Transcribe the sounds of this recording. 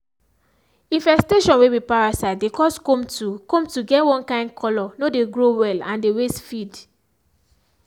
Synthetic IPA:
ĩnfɛsteʃɔ̃nwewipaɹasaɪtdekɔskɔ̃mtukɔ̃mtuɡɛtwɔ̃nkãɪ̃ndkʰɔlɔnodeɡɹowɛlãndewestfid

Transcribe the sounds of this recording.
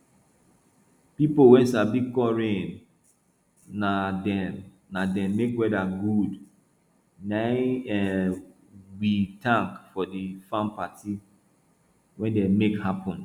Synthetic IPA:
pipowɛ̃nsabikɔɹẽn | nadɛmː | adɛ̃mmekwɛdaɡud | naɛ | witãŋkfɔdifãnpati | wɛ̃ndɛmekhapɔ̃n

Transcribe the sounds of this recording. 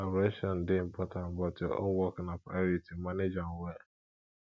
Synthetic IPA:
aɾɛʃɔn̩dɪm̩pɔtãn̩bɔtɪɔ̰wɔknapaɾitimaned͡ʒaŋ̩wɛ

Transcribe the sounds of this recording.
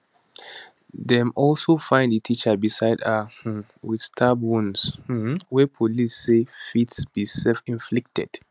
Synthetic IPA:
dɛ̃mɔlsofãɪ̃ndətʰit͡ʃəbisaɪdahũm | widstʰabũnswɛpʰolisːefitsb̥isɛlfĩnflɪk̚tɛ̰d̥

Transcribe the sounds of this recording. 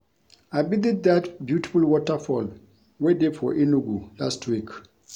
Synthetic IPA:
ajbidid̚datbjuti̥fulwɔtəfɔl | wededfɔ̰ʔinuɡulastʰwik

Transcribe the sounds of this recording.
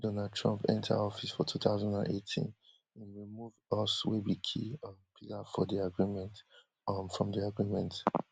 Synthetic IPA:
dɔnad̚tʰɹɔ̃mpɛ̰̃ntʰa̰ɔfisfɔtʰuθaʊzãndã̰netʰḭ̃n | ĩnɹimuvɔswebikʰḭpʰitafɔdiaɡɹimɛ̃nt | fɹɔ̃mdiaɡɹimɛ̃nt

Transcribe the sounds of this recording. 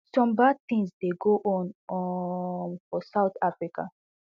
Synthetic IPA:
sɔ̃mbad̚tĩŋsdeɡoʔɔ̃n | nfɔsaʊt̪afɹika̰

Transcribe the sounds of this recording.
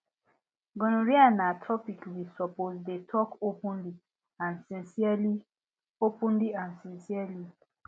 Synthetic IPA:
ɡɔ̃noɹianatʰɹɔpikwisɔpozdetʰɔkopũnli | ãnsĩnsiali | opũnliãnsĩnsiali

